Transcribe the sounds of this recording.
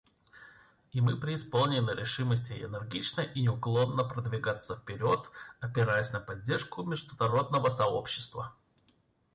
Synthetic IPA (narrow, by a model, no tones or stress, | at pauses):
ɪmɨpɾʲɪːspo̞lˠnʲɪnɨɾʲɪʂɨməsʲtʲɪɪ̰nɪrɡʲit͡ɕnəʔinʲɪʊklˠo̞nːəpɾəd̪vʲɪɡat̪səfpʲɪɾʲo̞t̪ɐpʲɪɾajəsʲnəpɐdʲːe̞rʂkʊmʲɪʐd̪ʊnɐɾo̞d̪̚nəvəsɐo̰pɕːɪ̥st̪və